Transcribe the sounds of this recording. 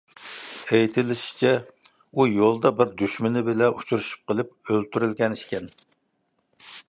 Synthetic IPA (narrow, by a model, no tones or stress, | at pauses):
ejt̪ʰɪlɪʃi̥t͡ʃʰɛ | ujolˠd̪ɑbɪɾd̪yʃmɪnɪbɪlɛʔut͡ʃʰuɾuʃu̥p̚qəlˠɪp̚ølt̪ʰyɾylɡʲɛniʃkʲɛn